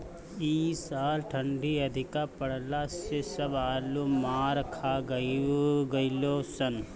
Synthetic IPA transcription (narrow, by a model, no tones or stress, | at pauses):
iːsaːlʈʰə̃ɳɖiɐd̪ʱɪkapəɽ̤lasesɐbaːlumaːɾkʰaːɡəɡɐɪlosɐn